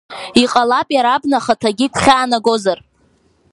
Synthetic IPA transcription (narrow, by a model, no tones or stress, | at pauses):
iqʼalapʼjaɾabnaχatʰaɡʲikʷχʲaːnaɡo̞zar